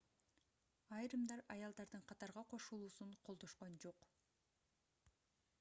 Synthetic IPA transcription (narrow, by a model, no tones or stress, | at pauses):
ɑjɾɯmd̪ɑɾɑjɑlˠd̪ɑɾd̪ɯɴqʰɑt̪ɑɾʁɑqʰo̞ʃulˠuːsuɴqʰolˠd̪o̞ʃqond͡ʒo̞q